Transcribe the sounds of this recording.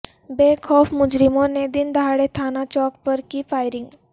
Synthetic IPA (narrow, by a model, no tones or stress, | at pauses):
beːxɔːfmʊd͡ʒɾɪmõned̪ɪnd̪ɦaːɽet̪ʰaːnat͡ʃɔːk̚pɐɾkifaːɪɾɪ̃ŋɡ